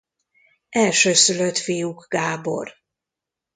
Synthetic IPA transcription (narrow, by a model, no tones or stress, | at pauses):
ɛlʃøːsyløt̪fijuɡɡaːbo̞̰r